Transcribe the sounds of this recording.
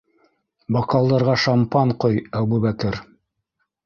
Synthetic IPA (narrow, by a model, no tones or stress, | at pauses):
bɑqɑlˠd̪ɑɾʁɑʃɑmpɑɴqojæbubækɘɾ